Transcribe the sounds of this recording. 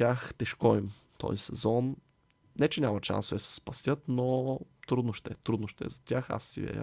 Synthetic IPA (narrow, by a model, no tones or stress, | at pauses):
tʲjaxt̪ɛʃkɔim | t̪ɔ̰zisɛzɔn | nɛt͡ʃɛnʲamət̪ʃa̰nsd̪ɐsɛ̥spɐsʲɤt̪not̪ɾud̪noʃt̪ɛt̪ɾud̪noʃt̪ɛ̰zɐt̪ʲaxa̰sːḭvɛ̰